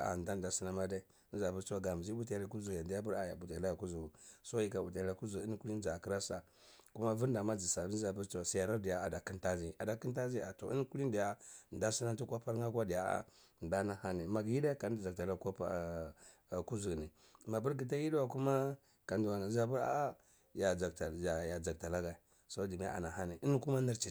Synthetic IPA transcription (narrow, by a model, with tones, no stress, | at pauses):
a̰˨da˦n˨da˨si˦na˦ma˦da˦i˦n̩˦za˨bu˦ɾt͡ʃwa˨ɡa˨m˨zi˦bu˦ta˦˨la˦ku˦zu˨ja˨ndi˨ja˦bu˦ɾa˨ja̰˨bu˨ta˨la˦˨ku˦zu˨ɡu˨so˦ji˦ka˨u˨ta˨la˦ku˦zu˨i˦n˦ku˦li˦n˦d͡ʒa˨ki˦ɾa˦sa˨ | ku˦ma˦vu˦ɾnda˨ma˦d͡zi˨sa˨˦za˨bu˦ɾt͡ʃu˦wa˨si˨ja˨ɾa˦di˨ja˨a̰˨da˨ki˦nta˦zi˦a̰˨da˨ki˦nta˦zi˦a˨to̰˨i˦n˦ku˦li˦ndi˨ja˦˨n˨da˦si˦na˦n˦tu˦kʷa˦pa˦ɾa˦kʷa˦di˨ja˨a̰˦˨ | n˨da˦na˨ha˦ni˨ma˨ɡji˦da˦ka˨n˦˨a˨k̚ta˨la˦kʷa˦a˦˨ | ku˦zu˨ɡni˨ | ma˨bu˦ɾɡi˨t̬a˦ji˦dwa˨ku˦ma˦ | ka˨ndu˨wa˨n˨˦za˦bu˦ɾa̰˦a˦ | ja˨a˨ta˨a˨ja˨d͡ʒa˨k̚ta˨la˦ɡa˨i˨ | so˦di˨m˦a˦a̰˨na˨ha˦ni˨ʔi˦n˦ku˦ma˦ni˦ɾt͡ʃi˨